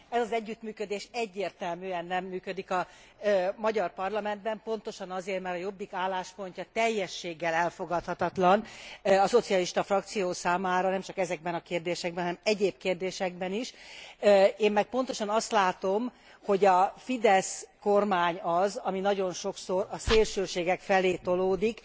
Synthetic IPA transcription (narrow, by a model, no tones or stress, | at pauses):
ɛzɒzɛɟːyt̪myːkød̪eːʃɛɟːeːrt̪ɛlmyːɛnːɛmːyːkød̪ikɒ | mɒɟɒrpɒrlɒmɛnd̪bɛmpo̞n̪t̪o̞ʃɒnɒzeːrt̪mɛrɾɒjo̞bːikaːlːaːʃpo̞ɲcɒt̪ɛjːɛʃːeːɡːɛlɛlfo̞ɡɒt̪hɒt̪ɒt̪lɒnɒso̞t̪sijɒliʃt̪ɒfrɒk̚t̪sijoːsaːmaːɾɒnɛmt͡ʃɒkɛzɛɡ̚bɛnɒkeːrd̪eːʃɛɡ̚bɛnɦnɛmɛɟeːbkeːrd̪eːʃɛɡ̚bɛniʃ | eːmːɛk̚po̞n̪t̪oʃɒnɒst̪laːt̪o̞m | ho̞ɟɒfid̪ɛsko̞rmaːɲɒzɒminɒɟo̞nʃo̞kso̞ɾɒseːlʃøːʃeːɡɛkfɛleːt̪o̞loːd̪ik